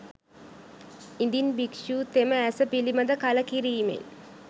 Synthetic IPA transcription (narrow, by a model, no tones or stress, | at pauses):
ind̪inbikʂuːt̪eməæsəpiliməd̪əkaləkiɾiːmḛn